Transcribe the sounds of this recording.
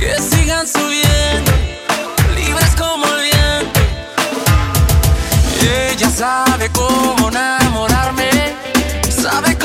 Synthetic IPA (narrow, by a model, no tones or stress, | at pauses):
kesiɣansuβjen | liβɾeskomoβjen | eʝasaβekomonamoɾaɾme | saβek